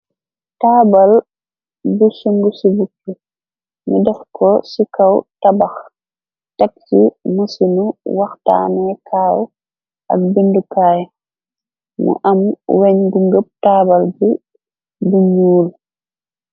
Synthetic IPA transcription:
taːbal | busuŋɡusibukːu | midɔxkʰɔsikawtabax | tak̚simusinuwaxta̰ːnɛkʰaːw | ʔa̰k̚bindukaːj | mṵʔamwɛɲɡuŋɡəp̚taːbalbu | buɲuːl

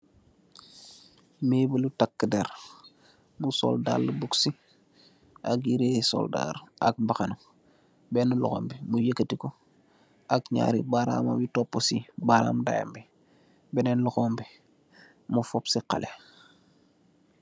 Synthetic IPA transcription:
meːbəlutakːədeɾ | muso̰lda̰lːəbuksi | akjiɾeːso̰lda̰ɾa̰k̚baxano | bɛnulṵxombimujəkːətiko | akɲa̰ɾibaɾa̰mabitopːosibaɾa̰ːmda̰ja̰mbi | bɛnenluxombi | mufopsiqa̰le

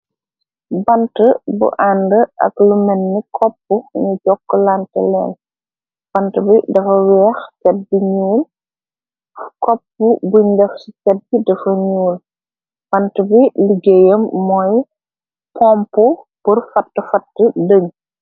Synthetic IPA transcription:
bɐntəbṵʔandəʔɐ̰klumɛnːikʰɔpːuɲuɟɔkːlantɛ̰lɛ̰ːn | b̥ɐntəbidɐfɐwɛːxtɛt̚biɲuːl | kɔpːubuɲdɐfsitɛd̚ːidɐfɐɲuːl | b̥ɐntəbiliɡejəmːɔj | pɔmpu | puɾfɐtːəfɐtːədəŋ

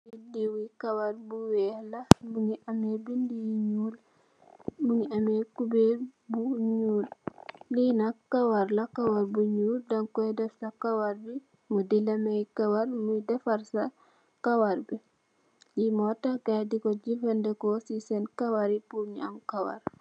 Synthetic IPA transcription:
jidiwikɐwaɾbuwɛːhlɐbuŋiʔɐmebindiɲuːl | muŋiɐmekubebuɲuːllinakɐwaɾlɐkawaɾbuɲuːldɐŋkɔjdɛfsɐkawaɾbi | mudilɐmɛjkawaɾmudɛfɐɾsɐ | kawaɾbi | jimɔtaɡajdikɔɟifɛndɛkɔsisɛnkawaɾipuɲɐmkawa̰ɾ

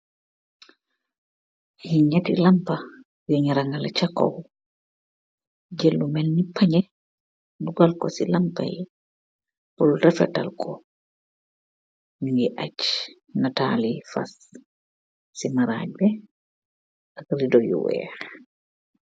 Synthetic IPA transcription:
hiɲatḭlampa | jɔɲiɾaŋɡalat͡ʃakːɔ̰w | ɟelːumɛlnipʰaɲɛ | duɡalkɔsilampa̰j | pɔlrɛfɛ̰ta̰lkʰɔ | iŋɡɛʔac | natalifa̰s | imaɾa̰ːɟ̚bɛ | ʔakridɔjṵwɛ̰

